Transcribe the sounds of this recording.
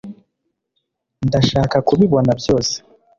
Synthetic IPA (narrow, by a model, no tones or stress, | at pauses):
ndaʃaːkakuβiβo̞nabjo̞ːse̥